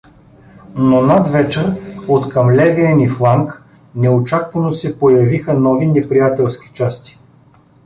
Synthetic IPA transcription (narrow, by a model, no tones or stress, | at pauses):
nonad̪vɛt͡ʃɛɾot̪kɐmlɛviəniflˠaŋk | nɛot͡ʃakvɐnosɛpojɐvixənɔvinɛpɾijat̪ɛlˠskʲi̥t͡ʃast̪i̥